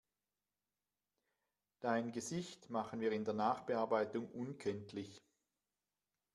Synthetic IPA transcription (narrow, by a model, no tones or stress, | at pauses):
d̥aɪnɡəzɪçtmaχənviːɐɪndeːɐnaːχb̥əaɐbaɪtʊŋʔʊnkʰɛntʰlɪç